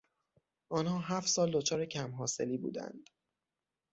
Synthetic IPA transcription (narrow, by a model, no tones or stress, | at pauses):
ʔɒːnhɒːɦæft̪sɒːld̪ot͡ʃʰɒːɾecʰæmɦɒːse̞liːbṵːd̪æ̰nd̪̥